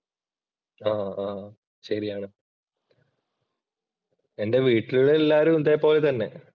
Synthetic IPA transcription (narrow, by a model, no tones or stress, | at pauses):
aːaː | ɕɐɾijaːɳɨ | ende̞ʋiːʈːiluɭeelːaːɾumnd̪eːpːo̞ːlet̪ɐnːe̞̰